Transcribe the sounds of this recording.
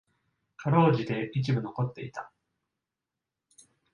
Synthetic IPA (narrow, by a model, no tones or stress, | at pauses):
kʰaɾo̞ːʑid̪e̞it͡ɕibɯ̟no̞ko̞t̪ːe̞̰it̪ḁ